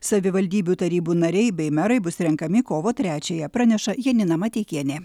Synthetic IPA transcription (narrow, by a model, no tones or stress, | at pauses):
sɐʋʲɪʋɐlʲd̪ʲiːbʲuːt̪ɐɾʲiːbuːnɐɾʲɛɪbʲɛɪmʲɛɾɐɪbʊsɾʲɛŋkɐmʲɪkoːʋoːt̪ʲɾʲæːt͡ʃʲeːjɛpɾɑːnʲɛʃɐjiɛnʲɪnɐmɐt̪ʲeːkʲiɛnʲeː